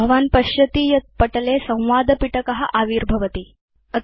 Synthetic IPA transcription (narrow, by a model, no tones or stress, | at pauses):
ɐʋaːnpɐɕjɐt̪ijɐt̪̚pɐʈlesɐ̃w̃ʋaːd̪ʱəpiʈəkɐɦa̰ʔaʋiːɾbʱɐʋət̪i | ɐ